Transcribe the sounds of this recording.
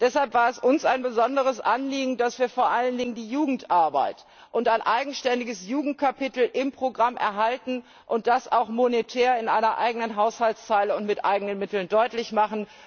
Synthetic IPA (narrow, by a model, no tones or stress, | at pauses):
d̥ɛshalpv̥aːɐɛsʔʊnsaɪnbəzɔndəʁ̞əsʔanliːɡŋ̩dasv̥iːɐfoːɐʔaləndɪŋəndiːjuːɡŋ̩tʔaɐba̰ɪt | ʔʊntaɪnʔaɪɡŋ̩ʃtɛndɪɡəsjuːɡŋ̩t̚kʰapɪtl̩ʔɪmpʁ̥oɡʁamʔɛ̰ɐɦaltn̩ | ʔʊnt̚d̥asa̰ʊxmonetʰɛːɐɪnʔa̰ɪnɐʔa̰ɪɡənənɦaʊshaltst͡saɪləʊntmɪtʔa̰ɪɡənənmɪtl̩ndɔʏtlɪçmaχn̩